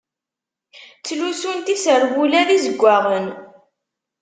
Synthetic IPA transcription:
t͡sːlusunt̪isəɾwulæðizəɡʷːaʁən

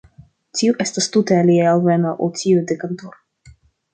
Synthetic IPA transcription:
tiuʔest̪ast̪ut̪ealiajalvenaʔo̰lt͡ʃiud̪ekant̪uɾ

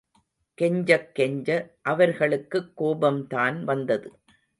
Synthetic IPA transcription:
kɛɲd͡ʒɐkːɛɲd͡ʒɐʔɐʋɐɾɣɐɭɯkːɯkːoːbɐmt̪aːnʋɐnd̪ɐðɯ

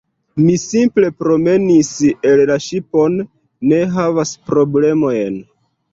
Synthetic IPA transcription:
misimple̞pɾo̞me̞nisellaʃipo̞nː | e̞ɦavaspɾo̞ble̞mo̞jn

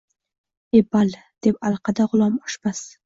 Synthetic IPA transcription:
ebal | d̪̥e̞pɑlˠqʰɑd̪aʁʊlˠɒmɒʃb̥as

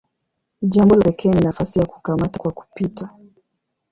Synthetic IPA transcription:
ʄambɔlaɛkʰɛːninafasijaku̥kamatḁkwaku̥pita

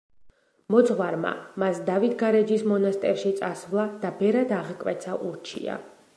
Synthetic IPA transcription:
mɔt̪sʼχwaɾma̰masd̪avit̪ʰɡaɾɛd͡ʒismɔnast̪ʼɛɾʃit̪sʼasvlˠad̪̥abɛɾad̪aʁkʼwɛt̪sʰaʔuɾt͡ʃʰḭa̰

